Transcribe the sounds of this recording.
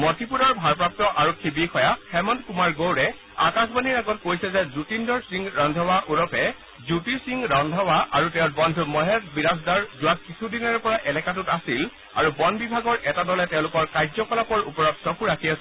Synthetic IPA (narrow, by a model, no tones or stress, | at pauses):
mɔtipuɾɔɹbʱaɹpɹap̚tɔʔaɹɔkʰːibixʰɔjaxɛmɔntkumaɹɡowɹɛ | a̰kasbaniɹaɡɔt̚kojsɛzɛzutindɔɹsiŋɹɔndʱɔwaʔuɹɔpʰɛ | zutisiŋɹɔndʱɔwaʔaɹutɛʊ̃tbɔndʱumɔɦɛtbiɹasdaɹzʊwakkisʰudinɔɹpɔɹaʔɛlɛkatutasil | a̰ɹubɔnbibʱaɡɔɹʔɛtadɔlɛtɛʊ̃lʊkɔɹkajzɔkɔlapɔɹupɔɹɔtsɔkuɹakʰias